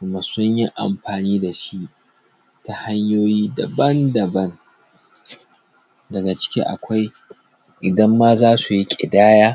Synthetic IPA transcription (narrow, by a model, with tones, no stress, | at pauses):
kʊ˨mɐ˨sʊ˦ɲjɪ˦ʔa̰˨mɸaː˨niː˦da˨ʃi˦ʔ | ta˨ha˦ɲjoː˦jiː˦dɐ˨bɐ˦ndɐ˨bɐ˦n | dɐ˨ɡa˨t͡ʃɪ̥˦kʲḭ˦ʔa̰˨kʷa˦j | ʔɪ˨dɐ˦mːa˦zaː˦su˨ji˦kʲʼɪ̰˨daː˦jaː˦